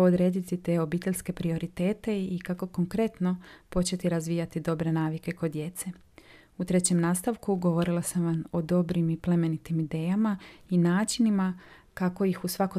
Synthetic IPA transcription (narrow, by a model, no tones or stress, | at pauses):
od̪ɾe̞ːd̪it̪it̪e̞o̞biːt̪e̞ʎʲske̞pɾio̞ɾit̪e̞ːt̪e̞ikako̞ko̞ŋkɾe̞t̪no̞po̞t͡ɕe̞t̪iɾazʋijat̪id̪o̞bɾe̞naːʋike̞kod̪je̞t̪se̞ | ut̪ɾe̞t͡ɕe̞mnaːst̪aʋkuɡo̞ʋo̞ɾilˠasamʋamo̞d̪o̞bɾimiple̞me̞nit̪imid̪e̞ːjamainaːt͡ʃinimakako̞jixusʋako̞